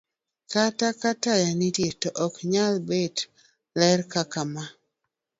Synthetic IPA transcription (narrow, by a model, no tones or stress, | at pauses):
katakatajanitjetoʔɔkɲalbed | lɛɾkakama